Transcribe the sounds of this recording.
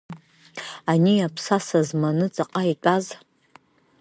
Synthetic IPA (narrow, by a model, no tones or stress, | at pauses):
aniapʰsasazmanɨt͡sʼaqʼaitʼaz